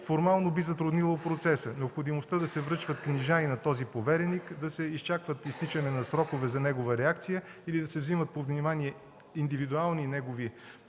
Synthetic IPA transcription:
foɾmalˠnobizɐt̪ɾʊd̪nilˠoot̪pɾot̪sɛsənɛopxod̪imost̪əd̪ɐsɛvɾɤt͡ʃvət̪kniʒainɐt̪ɔzipovɛɾɛnikd̪ɐsɛist͡ʃakvət̪ist̪it͡ʃənɛnɐsɾɔkovɛzɐnɛɡovəɾɛakt̪sijəilid̪ɐsɛvzimət̪̚povnimaniɛ | ind̪ivid̪ualˠninɛɡovi

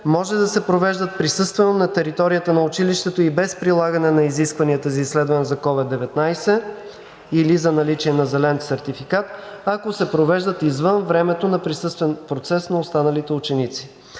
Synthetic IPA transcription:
mɔʒɛd̪ɐsɛpɾovɛʒd̪ət̪̚pɾisɤst̪vɛnonɐt̪ɛɾit̪ɔɾijət̪ənɐʊt͡ʃiliʃt̪ɛt̪oibɛspɾilˠaɡənɛnɐiziskvɐniət̪əzɐisːlɛd̪vɐnɛzɐkɔvɛd̪ːɛvɛt̪najsɛ | ilizɐnɐlit͡ʃiɛnɐzɛlɛnsɛɾt̪ifikat̪ɐkosɛpɾovɛʒd̪ət̪izvɤnvɾɛmɛt̪onɐpɾisɤst̪vɛnpɾot̪sɛsnɐost̪anɐlit̪ɛʊt͡ʃɛnit̪si̥

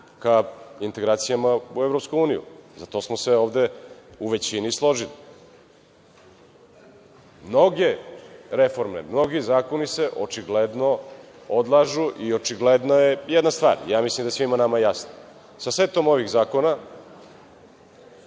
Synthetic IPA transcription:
kaint̪e̞ɡɾaːt̪sijamauevɾopskuuːnijṵzat̪o̞smoseoːʋd̪euʋe̞t͡ɕinislˠo̞ʒili | mno̞ɡeɾefo̞ɾmḛmno̞ɡizaːko̞nise̞ʔot͡ʃiɡled̪no̞ | od̪lˠaʒuʔio̞t͡ʃiɡled̪nojejed̪nast̪ʋa̰ːɾjaːmislimd̪aesʋimanamajejasno | saset̪omo̞ʋiɣzaːkona

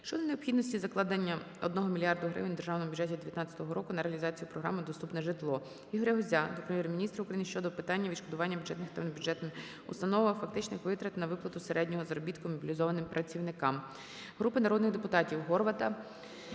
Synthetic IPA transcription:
ʃt͡ʃɔd̪ɐneɔpxʲid̪nɔsʲtʲizɐklˠɑd̪ɐnʲːɐ | ɔ̰d̪nɔɦɔmʲilʲijɑrd̪ʊɦɾɪ̰ʋnʲd̪erʒɑwnɔmʊbʲjʊd͡ʒɛtʲid̪eʋʲjɐt̪nɑt͡sʲːɐt̪ɔɦɔɾɔkʊnɐɾeɐlʲizɑt͡sʲijiupɾɔɦɾɑ̰mɪd̪ɔst̪upnɛʒɪt̪lˠɔ | iɦɔɾʲeɦɔzʲad̪ɔpɾemjɛɾmʲinʲist̪ɾɐʊkɾɐjinɪʃt͡ʃɔd̪ɔpɪt̪ɑnʲːɐʋʲid̪ʃkɔd̪ʊʋɑnʲːɐbʲjʊdd͡ʒ̥ɛt̪nɪxt̪ɛʋnbʲjʊdd͡ʒɛt̪n | ʊ̰st̪ɐnɔʋɐfɐk̚t̪ɪt͡ʃnɪxkʋɪt̪ɾɐt̪ɐnɐʋɪplˠɐt̪ʊseɾɛdʲnʲɔɦɔzɾɔbʲit̪kʊmɔbʲilʲizɔʋɐnɪmpɾʔɐt͡sʲiwnɪkɑm | ɦɾupɪnɐɾɔd̪nɪxd̪epʊt̪ɑtʲiwɦɔrʋɐt̪ɐ

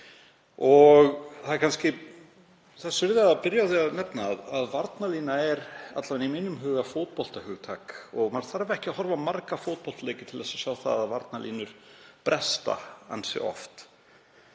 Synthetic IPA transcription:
ɔɣθaðɛɾkʰanscɪ | θaðsʏɾðɪaapɪɾjawθiaðnɛpnaːðaðvaɾt̪naliːnaɛɾa̰t̪lavɛniminːʏmɦʏːɣafowt̪̚pɔl̥t̪ahʏːɣt̪ʰaːkɔɣmaɾθaɾvɛhcɪahɔɾvamaɾkafoːt̪̚pɔl̥t̪leːjcɪt̪ʰɪlðɛsḁsjaːwθa̰ðaðvaɾt̪nalʔḭːnʏɾ̥pɾʔɛst̪a̰a̰nsɪ̰ɔ̰ft̪

